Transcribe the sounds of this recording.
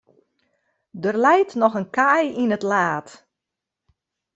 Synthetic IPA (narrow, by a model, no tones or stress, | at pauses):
dərlɛjtnɔxənkajinətlaːt